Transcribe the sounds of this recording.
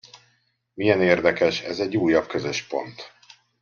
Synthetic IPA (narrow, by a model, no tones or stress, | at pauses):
mijɛneːrd̪ɛkɛʃɛzɛɟːuːjːɒbkøzøʃpo̞̰nt̪